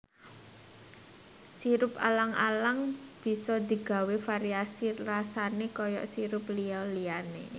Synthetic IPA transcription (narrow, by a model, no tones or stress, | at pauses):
siɾʊpa̰laŋʔa̰laŋb̥i̤sɔd̪i̤ɡ̥a̤wefaɾiasirasanekɔjɔ̰ʔsiɾʊpliɔlianḛ